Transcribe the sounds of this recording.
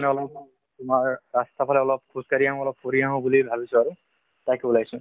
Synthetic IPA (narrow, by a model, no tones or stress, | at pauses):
nɛɔlɔp | tʊmaɹːast̪apʰalɛɔlɔp̚kʰuskaɹiaɦɔ̃ɔlɔp̚ːoɹiaɦɔ̃bulibʱabisʊaɹu | tajkulajsʊ̃